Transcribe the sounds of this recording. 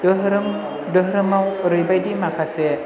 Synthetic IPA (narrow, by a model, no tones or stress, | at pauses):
dɯɦɾɯm | dɯɦɾɯmawɾɯjbajdimakʰase